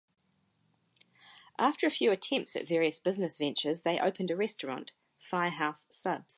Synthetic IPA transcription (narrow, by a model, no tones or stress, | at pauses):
ʔɑˑftəɹəfjʉːətʰɛ̃mp̚tsɨ̰tvɛːɹiəsb̥ɪznəsvɛ̃nt͡ʃəzðeɪʔə̰ʊpʰə̃ndəɹɛstɹ̥ɑ̰̃nt | faɪəɦaʊsʌbz̥